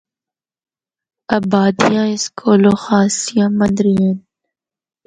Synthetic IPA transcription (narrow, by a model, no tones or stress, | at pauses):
ɐbaːd̪ijãɪskʰoːloxaːsijãmɐ̃nd̪ɾijen